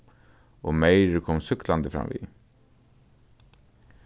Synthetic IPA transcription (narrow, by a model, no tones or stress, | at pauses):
ɔmejɾɪkʰɔːmsʏkland̪əfɾa̰mvḭ